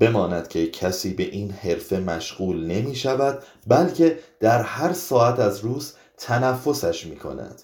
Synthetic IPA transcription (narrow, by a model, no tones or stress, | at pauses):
b̥e̞mɒːnæd̪̥cʰe̞cʰæsiːbe̞ʔiːnhe̞ɾfe̞mæʃɢuːlne̞miːʃævæd̪̥̚ | bælcʰe̞d̪̥æɾhæɾsɒːæt̪ʰæzɾuːz | t̪ʰænæfːo̞sæʃmiːkʰo̞̰næ̰d̪̥